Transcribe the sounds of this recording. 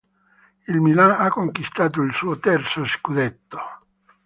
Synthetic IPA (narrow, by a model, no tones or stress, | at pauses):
ilmilanakːoŋkwist̪aːt̪̬oilsuːot̪ɛrt̪soskud̪et̪ːo̥